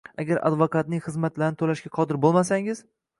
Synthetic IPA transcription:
aɡʲaɾa̰d̪vokat̪̚nɪŋχɨzmat̪laɾnɪt̪ʰolaʃɡʲaqʰɒd̪ɪɾbolˠmasaŋɪz̥

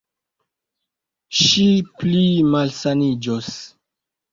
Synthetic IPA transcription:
ʃiplimalsanid͡ʒos

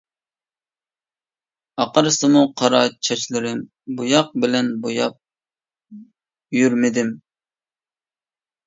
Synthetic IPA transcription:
ɑqəɾɨsɨmuqʰɑɾɑt͡ʃʰɑt͡ʃʰlˠɨɾɪm | bujɑq̚bɪlɛnbojɑp̚ | jyɾmɪd̪ɪm

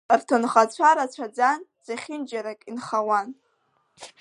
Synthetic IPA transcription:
rtʰonχat͡ɕʷʰaɾat͡ɕʷʰad͡zand͡z̥aχʲɪnd͡ʒaɾakʼinχawan

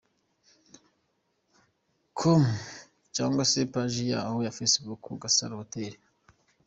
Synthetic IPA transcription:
kʰom | t͡ʃaːŋɡwasepaʒija̰ːhojafesbukuɡasa̰ɾhoteɾe̥

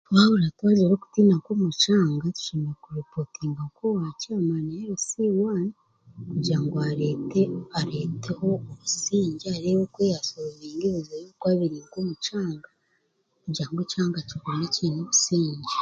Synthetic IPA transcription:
βawoɾatwaːɟeɾoːku̥tiːnakwomut͡ʃaːŋɡatu̥ʃiːŋɡakuɾopotiːŋɡakowacaːmaneeɾusiwaːni | kuɾɟiɾaŋɡoaɾeteaɾeːtʰehooβusiːɲɟiaɾewokweːjasooβeːŋɡeβuzejokwaːβiɾiːŋɡomut͡ʃaːŋɡa | kuɾɟɾaŋɡecaːŋɡacikoneciːnoβusiːɲɟi

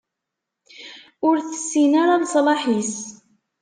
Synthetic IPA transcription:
ʊɾθə̥sːinaɾansˤlɑħis

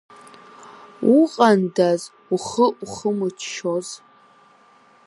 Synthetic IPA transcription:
uqʼandaz | uχəʔuχəmɨt͡ʃʰʃoz

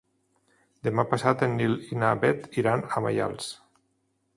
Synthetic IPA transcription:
d̪emapasat̪enːilinabɛt̪iɾanama̰ja̰lˠs

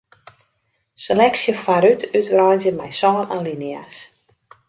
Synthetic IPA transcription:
selɛksjəfaɾytytrajzjəmɛjsɔːnanlinia̰s

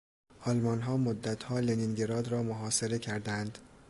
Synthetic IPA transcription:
ʔɒlmɒnɦɒːmod̪ːæt̪ʰhɒːleninɟe̞ɾɒːd̪ɾɒːmoɦɒːse̞ɾe̞cʰæɾd̪ænd̪̥

